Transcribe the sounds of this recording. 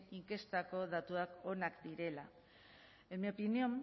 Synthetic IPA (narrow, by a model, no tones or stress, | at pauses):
iŋke̞st̪ako̞ðat̪uako̞nakd̪iɾe̞la | emeopiniom